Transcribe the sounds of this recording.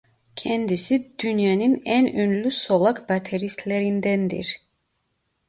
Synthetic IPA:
cʰɛnd̪isid̪ynjaninænønlʲysolˠakbat̪ʰeɾist̪lʲeɾind̪ænd̪ḭɾ̥

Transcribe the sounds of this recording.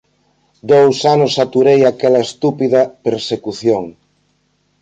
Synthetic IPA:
d̪owsanosːat̪uɾejakɛlɐest̪upiðɐpeɾsekuθjoŋ

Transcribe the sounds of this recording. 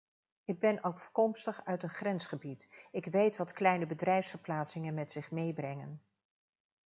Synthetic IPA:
ɪɡ̚bɛnʔovəkɔmstəχœɥtənχrɛnsχəbitɪkʋejtʋɑtklɛjnəbədrɛjfsfəɹplaːtsɪŋənmɛtsɪχmejbrɛŋən

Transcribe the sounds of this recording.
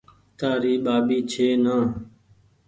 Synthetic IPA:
t̪aːɾiːɓaːɓiːt͡ʃʰeːnãː

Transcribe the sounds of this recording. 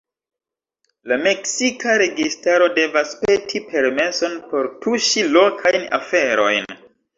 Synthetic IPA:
lame̞ksikaɾe̞ɡistaɾo̞de̞vaspe̞tʰipʰe̞ɾme̞so̞npo̞ɾtʰuʃilo̞kʰajna̰fe̞ɾo̞jn

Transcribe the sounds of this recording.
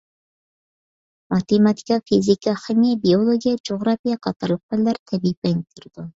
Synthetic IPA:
mɑt̪emɑt̪ʰi̥kʲɑfizikɑχemijɛbiolˠoɡʲijɛd͡ʒoʁɾɑfijɑqʰɑt̪ʰɑɾlˠəq̚bɪlːæɾt̪ʰɛbipɛnt̪ʰyɾd̪̥u

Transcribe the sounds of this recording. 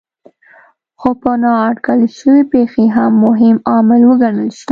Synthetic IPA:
xopənɑːʈkalʃəwepexeɦamːʊɦɪmɑmɪlwəɡaɳəlʃi

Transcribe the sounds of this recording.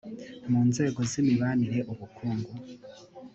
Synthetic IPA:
muːnze̞ːɡo̞zimiβaniɾe̞ʔuβukʰuːŋɡu

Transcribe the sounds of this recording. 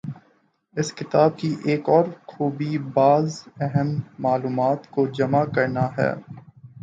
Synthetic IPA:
ɪskɪt̪aːb̚kiʔeːkɔːɾxuːbibaːzɛɦəmːaːluːmaːt̪kod͡ʒɐmakɐɾnaɦɛ̰ː

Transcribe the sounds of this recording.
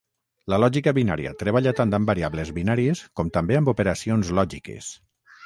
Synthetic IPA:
lalɔʒikaβina̰ɾia̰t̪ɾeβaʎat̪ant̪ambaɾiaβlezβinaɾieskɔmt̪ambeambopeɾasionzlɔʒikḛs

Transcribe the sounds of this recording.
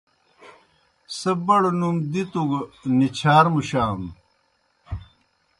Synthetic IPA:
sɐbɐɽnumd̪it̪uɡnit͡ɕʰaːɾmuɕaːm

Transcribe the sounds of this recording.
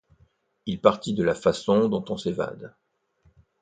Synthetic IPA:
ilpaʁt̪id̪əlafasɔ̃d̪ɔ̃t̪ɔ̃seva̰d̪

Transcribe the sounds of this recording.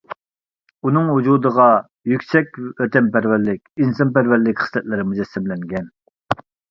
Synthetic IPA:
unɨŋɦud͡ʒud̪əʁɑ | jykʲsɛk̚ʲøt̪ɛmpæɾvæɾlɪkʲinsɑnpæɾvæɾlɪkʲχə̥slɛt̪̚lɪɾɪmud͡ʒɛsːɪmlɛŋɡʲɛn

